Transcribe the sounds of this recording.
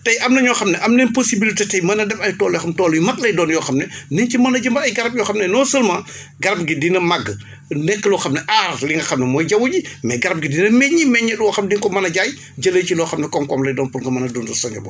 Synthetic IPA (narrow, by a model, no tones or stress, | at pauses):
tɐjʔɐmnɐɲɔxɐmnɛʔɐmnɛnposibilitetɐjmɐnɐdɛfɐjtɔːlɛxɐmtɔːlujmɐk̚lɐjdɔːnjɔːxɐmnɛnincimɐnɐɟɐmbɐɐjɡɐɾɐp̚jɔːxɐmnɛnɔːsəlmɐ | ɡɐɾɐp̚ɡidinɐmaɡː | nɛkːəlɔxɐmnɛʔaːrliŋɡɐxɐmnɛmɔːjɟɐwuɟimɛɡɐɾɐp̚ɡidinɐmɛɲːimɛɲːɛlɔxɐmdiŋkɔmɐnɐɟaj | d͡ʒɐləjcilɔːxɐmnɛkɔmkɔmlɐjdɔːnpuɾŋɡɐmɐnɐdundusɐɲɔ̰bɔ̰